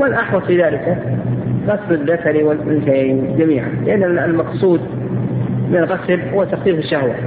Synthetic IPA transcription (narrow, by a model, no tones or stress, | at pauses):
manʔaħwɑðˤfiːðaːlɪkaɣasːɪðakaɾiwɪmɪnʃejnd͡ʒamiːʕa̰nlɪʔanːalmɑqsˤuːd̪̚ | mɪnlɣaslhʊwːat̪ːaxt̪iːfiʃːahwa